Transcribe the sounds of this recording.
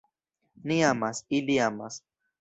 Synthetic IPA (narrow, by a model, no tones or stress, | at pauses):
niamasiliamas